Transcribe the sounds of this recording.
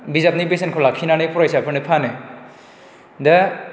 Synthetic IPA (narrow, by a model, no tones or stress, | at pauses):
bizap̚nibes̬enkʰɔlakʰinanepʰuɾajsapʰɯnipʰane | dɐ